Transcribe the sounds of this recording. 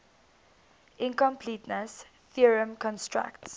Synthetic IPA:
ʔɪ̃nkɔ̃mpʰlitnəs | θiəɹə̃mkʰɔ̃nstɹa̰kts

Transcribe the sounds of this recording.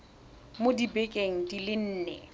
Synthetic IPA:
modibɛkʼeŋ̩dilɪn̩ːnɛ̰

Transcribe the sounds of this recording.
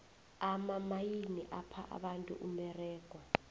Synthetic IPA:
amamajiniʔapʰaʔa̰ɓantʼṵʔumɛrɛːɡ̥ʱwa

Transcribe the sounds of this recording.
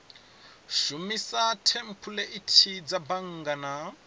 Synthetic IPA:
ʃumisatʰem̩pʰulɛʔitʰid͡zabaŋ̩ɡana

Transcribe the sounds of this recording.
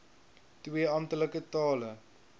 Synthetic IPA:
twiəɐmtələkətɑːlə

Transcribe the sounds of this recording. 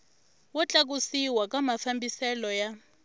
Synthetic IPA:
wɔt͡ɬʼak̬usiwakʼamafambisɛlɔja

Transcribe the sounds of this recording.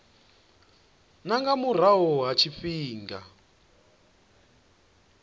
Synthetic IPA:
naŋɡamur̤aɦɔɦat͡ʃʰifiːŋɡa

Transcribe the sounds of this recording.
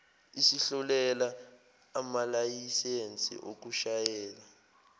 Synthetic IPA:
isiɬɔlɛlaː | malajisent͡sʼḭʔo̰k̬uʃajɛːla

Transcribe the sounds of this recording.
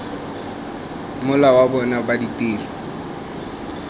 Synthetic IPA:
mʊlawabɔnabaditʼeːli

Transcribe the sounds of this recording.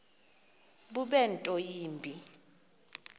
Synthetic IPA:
ɓuɓɛntʼɔjiːmbʱi

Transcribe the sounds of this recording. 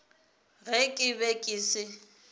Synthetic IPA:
ɣɛkʼɪbɛkʼɪːsɪ

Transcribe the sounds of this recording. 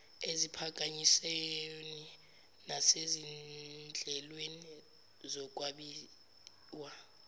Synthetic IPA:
ezipʰak̬ʼaɲiseni | nasezid͡ɮʱɛlweni | zɔk̬ʼwaɓi | wa

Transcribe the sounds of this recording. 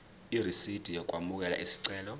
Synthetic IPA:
irisid̥ʱijɔk̬ʼwamuk̬ʼɛla̰ʔisi̥ǀɛːlɔ

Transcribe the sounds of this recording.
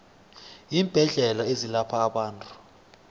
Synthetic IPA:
iːmb̥ʱɛɮɛlaezilapʰaːɓaːntʼu̥

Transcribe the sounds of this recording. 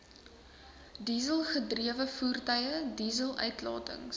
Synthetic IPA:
diːzəlˠχədriəvəfuːrtəjədiːzəlˠœ̰ɥtlɑ̰ːtə̰ŋs

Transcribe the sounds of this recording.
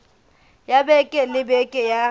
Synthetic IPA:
jabɛkʼɛlɪbɛkʼɛja

